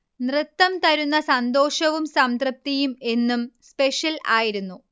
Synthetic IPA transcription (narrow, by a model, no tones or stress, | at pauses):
nrɨt̪ːɐmt̪ɐɾunːɐsɐnd̪o̞ːʂɐʋumsɐmd̪rɐp̚t̪ijume̞nːumspe̞ʂjɐla̰ːjiɾunːu